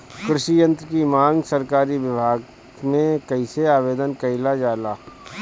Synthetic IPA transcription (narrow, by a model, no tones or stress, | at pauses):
kɾɪʃijə̃nt̪ɾkimãːŋɡsɐɾkaːɾiʋɪbʱaːɡ | mẽkɐiseaːʋeːd̪ənkɐɪlad͡ʒaːlaː